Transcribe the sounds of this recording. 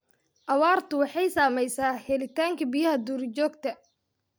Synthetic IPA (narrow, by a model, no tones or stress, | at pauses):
ʔɐwɑːrt̪ʰʊwɑħɑjsaːmɛjsaːhɛlɪt̪ʰaːŋkʰɐbijɐɦɐd̪uːɾt͡ʃɔːɡt̪ʰɐ